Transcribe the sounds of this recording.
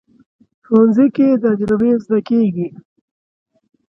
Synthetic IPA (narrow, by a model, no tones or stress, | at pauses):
ʈonziked̪ad͡ʒɾabezd̪akeɡi